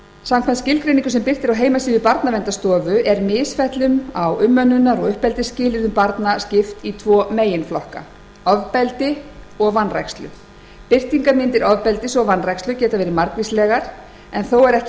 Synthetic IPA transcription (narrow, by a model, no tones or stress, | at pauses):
samkʰvɛnt̪scɪlkɾejniŋkʏsɛmpɪr̥t̪ɪɾawɦeːjmasiːðɪpaɾt̪navɛnt̪ast̪ɔːvʏʔɛɾmɪːsfɛht̪lʏnawʏmːœnːʏnːaɾɔɣʏhpɛlt̪ɪscɪːlɪɾðʏmpaɾt̪nascɪft̪it̪ʰvɔːmeːjɪnflɔhka̰ | ɔvpɛlt̪ɪ | ɔɣvanːrɛ̰kst̪lʏ̰ | pɪr̥t̪iŋkamɪnt̪ɪɾɔvpɛlt̪ɪsɔɣvanːrɛjkst̪ʏcɛːt̪avɛːɾɪmaɾkvislɛɣaɾ̥ | ɛnθowɛɾɛhc